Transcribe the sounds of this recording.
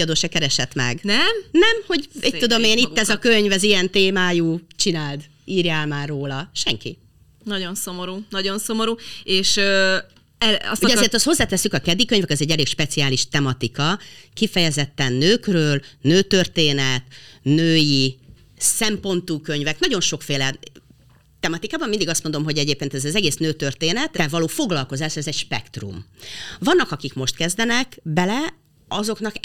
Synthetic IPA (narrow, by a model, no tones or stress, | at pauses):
ɒd̪oːʃɛkɛɾɛʃɛt̪mɛ̰ɡnɛmnɛmho̞ɟɛct̪ːud̪o̞meːnit̪ːɛzɒkø̞ɲvɛzijɛnt̪eːmaːjuːt͡ʃinaːld̪ | iːrjaːlmaːrːoːlɒʃɛŋki | nɒɟo̞nso̞moɾuːnɒɟonso̞moɾuːeːʃø | ɛɒ̰suɟɒzeːrt̪ɒst̪ho̞zːaːt̪ɛsːykɒkɛd̪ːikøɲvɛkɒzɛɟːɛleːkʃpɛt̪siaːliʃt̪ɛmɒt̪ikɒkifɛjɛzɛt̪ːɛnːøːkrøːlnøːt̪ørt̪eːnɛt̪nøːji | sɛmpo̞nt̪uːkø̞ɲvɛknɒɟo̞nʃo̞kfeːlɛ | t̪ɛmɒt̪ikaːbɒmːind̪iɡɒst̪mo̞nd̪o̞mɦo̞ɟɛɟeːp̚keːnt̪ɛzɛzɛɡeːsnøːt̪ørt̪eːnɛt̪ːɛvɒloːfo̞ɡlɒlko̞zaːʃɛzɛɟʃpɛ̰kt̪rṵmvɒnːɒkɒkikmo̞ʃt̪kɛzd̪ɛnɛkbɛlɛ | ɒzo̞knɒk